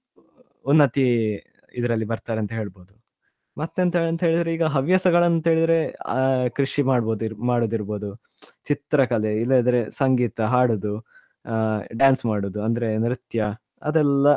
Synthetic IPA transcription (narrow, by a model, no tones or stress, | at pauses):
unːɐt̪i | ḭd̪ɐɾɐlːibɐɾt̪aːɾeɐnt̪ɐɦe̞ːɭboːd̪u | mɐt̪ːent̪ɐɦeːɭɐnt̪ɐɦeːɭid̪ɐɾeiːɡɐɦɐʋjɐsɐɡɐɭɐnt̪ɐɦeːɭid̪ɾe̞kɾiʂimaːɽboːd̪maːɽoːd̪iɾbo̞ːd̪u | t͡ʃit̪ɾɐkɐleilːed̪ɐɾesɐŋɡiːt̪ɐɦaːɽoːd̪u | ɖjaːnsmaːɽoːd̪uɐnd̪ɐɾenɾit̪jɐ | ɐd̪ɛlːɐ